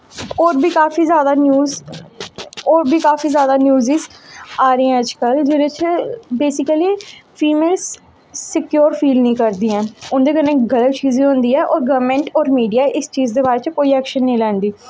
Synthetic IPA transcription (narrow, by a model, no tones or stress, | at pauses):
ɔːɾbʱiːkaːfiːzjaːd̪aːnjuːz | ɔːɾbʱiːkaːfiːzjaːd̪aːnjuːzizaːɾəɛ̃əd͡ʒkəld͡ʒeːɾet͡ʃbeːsɪkəliːfʰiːmeːlsː | ɪkjoːɾfʰiːlnĩːkəɾd̪iːɛ̃ːʊnd̪eːkənːeːɡələt̪t͡ʃiːzẽːɦõnd̪iːɛːʔɔːɾɡəːʋmẽːɳʈɔːɾmiːɖijaːʔɪst͡ʃiːzd̪eːbaːɾeːt͡ʃkoːiːɛːkʃənːĩːlɛ̃ːnd̪iː